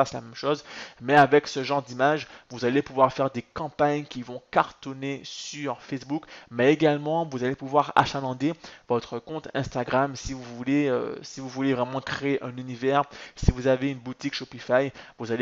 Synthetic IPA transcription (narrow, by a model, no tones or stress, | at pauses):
asla̰mɛmʃozmɛavɛksəʒɑ̃ʁd̪imaʒvuzalepuvwaʁfɛʁd̪ekɑ̃paɲkʲivɔ̃kaʁt̪ɔnesyʁfɛsbukmɛeɡalmɑ̃vuzalepuvwaʁa̰ʃanɑ̃d̪evɔt̪χəkɔ̃t̪ɛ̰̃st̪aɡʁamsivuvuleø̰sivuvulevʁɛmɑ̃kχeeʔɛ̃nynivɛʁsivuzaveynbut̪ikʃopifajvuzale